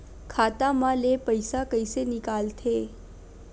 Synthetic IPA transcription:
kʰaːt̪amãlepəjsakəjsenɪkaːlt̪ʰe

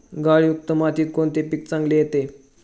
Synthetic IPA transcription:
ɡaɭiuk̚t̪əmat̪iːt̪̚koɳt̪epik̚t͡sãŋɡlejet̪e

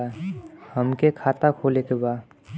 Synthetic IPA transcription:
həmkekʰaːt̪akʰolekebaː

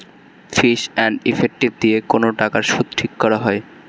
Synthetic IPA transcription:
fiʃɛnɖifʰek̚ʈib̚d̪iekonoʈakaɾʃud̪ʈʰikːɔɾaɦɔe

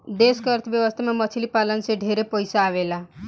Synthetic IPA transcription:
d̪eskəɾt̪ʰbjəʋəst̪ʰamãmət͡ʃʰilipalənseɖʱeɾepɔjsaːʋela

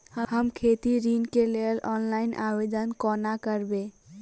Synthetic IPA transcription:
əhəmkʰet̪iɾinkelelɔnlainʔa̰bed̪ənkɔnakəɾbe

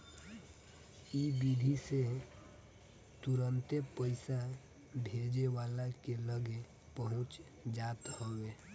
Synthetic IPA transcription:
ibid̪ʱise | t̪uɾənt̪epəɪsa | bʱed͡ʒewaːlakeləɡe | pəɦʊ̃t͡ʃ | d͡ʒaːt̪howe

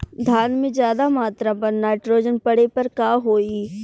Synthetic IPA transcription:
d̪ʱaːnmẽzjaːd̪amaːt̪ɾapɐɾnaːɪʈɾoːd͡ʒənpɐɽepɐɾkaːɦoːi

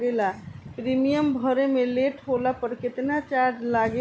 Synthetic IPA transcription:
ɡelapɾimijəmbʱəɾemeleʈʰɦolapəɾket̪nat͡ʃaɾd͡ʒlaɡe

